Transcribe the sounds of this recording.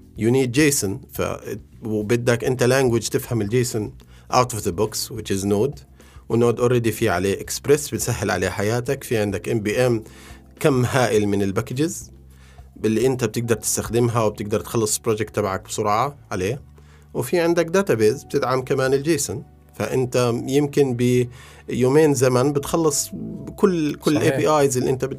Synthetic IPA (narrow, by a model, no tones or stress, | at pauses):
jʊniːd̪̚d͡ʒeːsʊnfa̰wbɪd̪ːakʔɪnt̪alaŋɡwɪd͡ʒt̪ɪfhamɪld͡ʒeːsʊn | ʔa̰wt̪ʊfðəbʊkswɪt͡ʃɪznoːd̪ | wnoːd̪ʔorˤːeːd̪ifiʕa̰leːʔɪkspɾesbɪt̪saɦːɪlʕa̰leːħajaːt̪akfiʕɪnd̪akʔɪmbiːʔɛm | kamːɦaːʔɪlmɪnɪlbakɪd͡ʒɪz | ɪlːiʔɪnt̪ab̚t̪ɪɡ̚d̪ɑɾˤt̪ɪ̥st̪axd̪ɪmɦawb̚t̪ɪɡ̚d̪ɑɾˤt̪xɑlːɨsˤbɾoːd͡ʒɪk̚t̪ːabʕak̚b̥sˤʊɾʕɑʕaleː | wfiʕɪnd̪ak̚d̪aːt̪abeːzb̚t̪ɪd̪ʕamkamaːnɪld͡ʒiːsʊn | fa̰ʔɪ̰nt̪ajɪmkɪnbɪ | joːmeːnzamanbɪt̪xɑlːɨsˤkʊlːkʊlːʔeːbiːʔaːjzɪlːiʔɪnt̪abɪ